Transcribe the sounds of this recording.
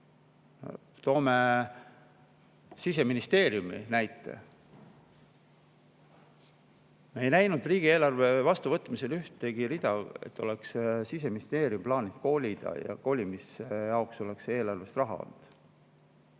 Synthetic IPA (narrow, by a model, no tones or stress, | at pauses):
t̪o̞ːme̞ | sise̞minist̪e̞ːɾjuminæjt̪ːˑe̞̰ | meejnæjnud̪riːɡ̥ie̞ːlɑrve̞vɑst̪uvɤt̪mise̞lyht̪ːeɡ̥iɾid̪̥ɑḛt̪ːˑo̞le̞kssise̞minist̪e̞ːriumplɑːnit̪̚ko̞ːlʲid̪̥ɑ̰jɑ̰ko̞ːlʲimisejɑokso̞le̞kse̞ːlɑrve̞st̪rɑɦɑ̰o̰nd̪̥